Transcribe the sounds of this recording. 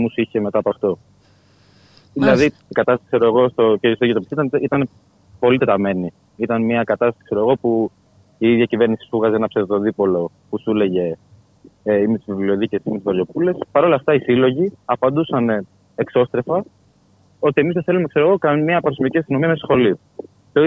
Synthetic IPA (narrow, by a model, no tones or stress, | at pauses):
musiçeme̞t̪ɐːpɐft̪o̞ | ðilɐði | ikɐt̪ɐst̪sikse̞ɾoeɣo̞st̪ocesoiot̪opisit̪ɐnit̪ɐne | po̞lit̪e̞t̪ɐme̞ni | it̪ɐnmiɐkɐt̪ɐst̪ɐsikse̞ɾoɣo̞pu | iiðʝɐcive̞ɾnisi̥fuɣɐzenɐpseðt̪o̞ðipo̞lo̞ | pusule̞ʝe̞ | imet̪i̥zvivlio̞ðicesimet̪uzvɐɾʝo̞pule̞spɐɾo̞lɐft̪ɐisilo̞ʝiɐpɐnd̪usɐne | ekso̞st̪ɾe̞fɐ | o̞t̪iemizðeθe̞lume̞kse̞ɾoɣo̞kɐmɐpɐɾosmiiciɐst̪ino̞miɐmesxo̞lio | t̪o